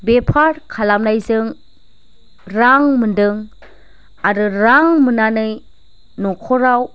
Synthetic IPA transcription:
bepʰaɾkʰalamnajzɯŋ | ɾaŋmɯndɯŋ | aɾɯɾaŋmɯnanɯj | nɔkʰɔɾaw

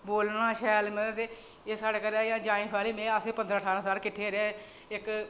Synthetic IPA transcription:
boːlnãːʃɛːlmə̃t̪eː | eːsaːɽeːkəɾɛːjãːd͡ʒãːĩːkʰaːliːmɛ̃ːəseːpənd̪ɾaːʈʰaːɾãːsaːlkɪʈʰːeːɾeː | ɪk

